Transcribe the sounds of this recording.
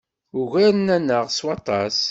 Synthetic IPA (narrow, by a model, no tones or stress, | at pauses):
ʊʝæɾənænːəʁswɑt̪ˤɑs